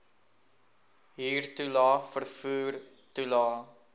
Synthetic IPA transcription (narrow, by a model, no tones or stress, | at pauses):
ɦiːrtulɑːfərfuːr | tulɑː